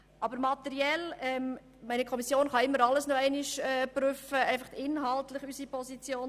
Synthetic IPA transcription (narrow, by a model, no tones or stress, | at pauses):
ʔɑbəɾmɑt̪ɛɾiɛlɛm | mɛɪnəkʰɔmisjoːnχɑɪmːəɾɑlːəsnoɛæɪnɪʃɛpɾyfəæɪfɑχtɪnɦɑltlɪχysipʰɔsit͡sjoːn